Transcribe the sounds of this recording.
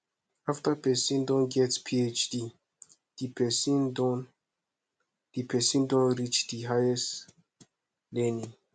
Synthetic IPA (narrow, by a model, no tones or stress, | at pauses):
aftəpɛsĩndɔ̃nɡɛtspʰiet͡ʃdi | d̥ipʰɛsĩndɔn | d̥ipʰɛsĩndɔ̃nɹit͡ʃdiɦajɛs | lɛnĩ